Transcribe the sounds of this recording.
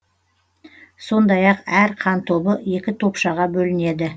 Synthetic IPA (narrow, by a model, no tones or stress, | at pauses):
so̞nd̪ɑjɑqæɾqʰɑnt̪ʰo̞bəe̞kʲɪt̪ʰo̞pʃɑʁɑbɵlɪne̞d̪ɪ